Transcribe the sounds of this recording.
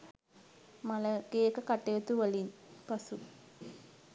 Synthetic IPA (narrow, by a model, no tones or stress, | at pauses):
mɐlɐɡejekːɐkɐʈːeʋet̪ːuʋɐlinpɐsu